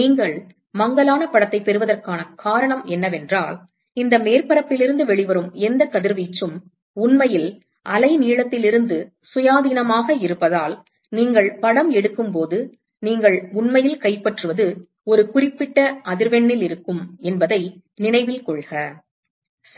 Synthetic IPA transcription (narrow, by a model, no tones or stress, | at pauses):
niːŋɡɐɭ | mɐŋɡɐlaːnɐpɐɽɐt̪ːɐɪpːɛɾɯʋɐðɐrkaːnɐkaːɾɐɳɐmɛnːɐʋɛndraːl | ɪnd̪ɐmeːrpɐɾɐpːɪlɪɾɯnd̪ɯʋɛɭɪʋɐɾɯmɛnd̪ɐkɐðɪɾʋiːt͡ʃːɯm | ʊɳmɐjɪl | ʔɐlɐɪniːɭɐt̪ːɪlɪɾɯnd̪ɯ | sʊjaːðiːnɐmaːɣɐɪɾɯpːɐðaːl | niːŋɡɐɭpɐɽɐmɛɽɯkːɯmpoːðɯ | niːŋɡɐɭʊɳmɐjɪlkɐɪpːɐʈrɯʋɐðɯ | ɔɾɯkʊrɪpːɪʈːɐʔɐðɪɾʋɛɳːɪlɪɾɯkːɯmɛnbɐðɐɪ | nɪnɐɪʋɪlkɔɭɣɐ